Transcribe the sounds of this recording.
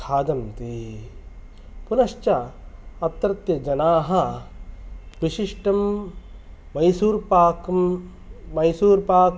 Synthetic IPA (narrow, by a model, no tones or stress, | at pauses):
kʰaːd̪ɐmt̪i | punɐʃt͡ʃɐɐt̪ːɐɾɐt̪jɐd͡ʒɐnaːɦɐ | ʋiʃiʂʈɐmː | ɐjsuːɾpaːk | mɐjsuːɾpaːk